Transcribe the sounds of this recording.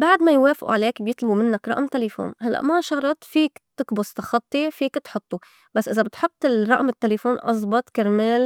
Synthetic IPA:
baʕd̪majweːfɪʔṵʕaleːkbjɪt̪ˤlɑbumɪnːakɾˤɑ̰ʔmt̪elefo̰ːnhalːa̰ʔmaʃɑɾˤɑt̪fiːkt̪ɪkbʊst̪ɑxɑt̪ˤːifiːkt̪ħʊt̪ˤːu | basːʔɪzabɪt̪ħʊt̪ˤːɪlˤɑ̰ʔmɪt̪ːelefoːnʔɑzˤbɑt̪ˤkɪɾmeːl

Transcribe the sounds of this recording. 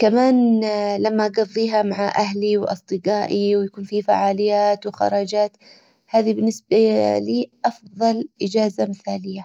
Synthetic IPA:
kamaːnlamːaɡɑðˤːiːɦamaʕaʔaɦliwʔɑ̰sˤd̪ˤɨɡaːʔiwjakuːnfifa̰ʕaːlɪjːaːt̪wxɑ̰ɾˤɑːd͡ʒaːt̪ | haːðibɪnːɪsbaliːʔɑfðˤɑlʔɪd͡ʒaːzamɪθaːlɪjːa

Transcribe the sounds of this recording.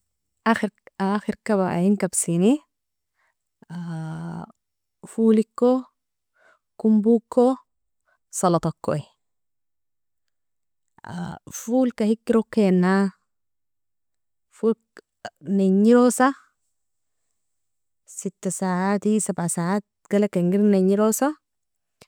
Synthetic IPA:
ʔaxɾaxiɾkaβaʔa̰jiŋkabsini | a | fuːlikːo | kumbukːo | sɑlɑt̪ˤɑkːo̰i | a̰fuːlkahikːiɾokːenːa | ful | neɲːiɾosa | sit̪ːasaːʕat̪isabʕasaːat̪̚ɡ̥alakeŋɡiɾneɲːiɾosa

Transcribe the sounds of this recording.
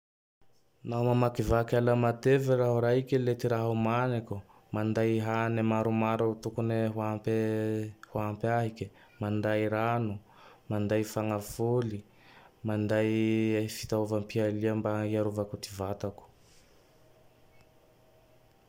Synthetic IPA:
nawmamakivakalamat̪eviɾaɦuɾaɦikelet̪iɾaɦumanaku | mand̪ajɦanemaɾumaɾut̪ukuneɦuap | huampaɦike | mand̪ajɾanu | mand̪ajfaŋafuli | mand̪ajfi̥t̪auvampialiambaiaɾuvakut̪ivat̪aku̥

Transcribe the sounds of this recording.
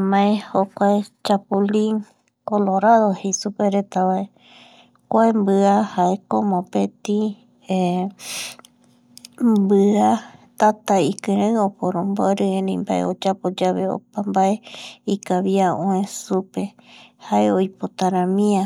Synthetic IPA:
mãẽhokʷaet͡ʃapulĩŋ | koloɾaðohesupeɾet̪aβae | kʷaembɨahaekomõpet̪ĩ | bɨat̪at̪aikɨ̃ɾãɨ̃opoɾõmboɾɨẽnẽmbaʔḛo̰d͡ʒapod͡ʒaβeo̰pambaeikaβiaõẽsupe | haeojpot̪aɾãmĩa

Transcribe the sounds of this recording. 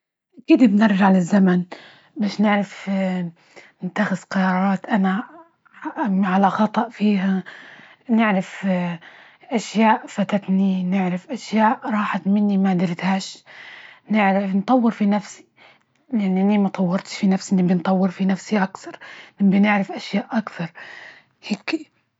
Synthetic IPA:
ʔakiːd̪bnɪɾˤʒaʕlɪzːaman | baːʃnɪʕɾaf | nɪt̪ːaxɪzqɑɾˤɑːɾˤɑːt̪ʔana | ʕalaxɑt̪ˤɑʔfiːɦa | nɪʕɾɪf | ʔaʃjaːʔfat̪at̪ninɪʕɾafʔaʃjaːʔɾˤɑːħat̪mɪnːimad̪ɪlt̪haːʃ | nɪʕɾɪnt̪ˤɑwːɪɾfinafsi̥ | laninːimat̪ˤɑwːɑɾˤt̪ʃfinafsinɪbint̪ˤɑwːɪɾfinafsiʔakθɑɾˤnɪbinɪʕɾɪfʔaʃjaːʔʔakθɑɾˤ | heːki

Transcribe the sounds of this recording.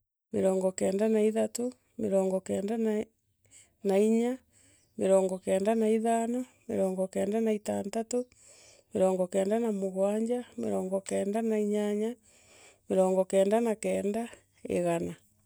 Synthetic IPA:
meɾɔːŋɡɔkɛːndanaiðato | meɾɔːŋɡɔkɛːndan | naiɲa | meɾɔːŋɡɔkɛːndanaiðanɔ | meɾɔːŋɡɔkɛːndanaita̰ːntato | meɾɔːŋɡɔkɛːndanamoɣwaːɲd͡ʒameɾɔːŋɡɔkɛːndanaiɲaɲa | meɾɔːŋɡɔkɛːndanakɛːnda | ḛɣana

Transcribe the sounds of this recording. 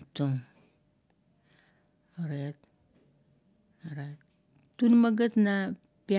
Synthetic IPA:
tuŋ | oɾet̚ | oɾetː | unmaɡatna | pia

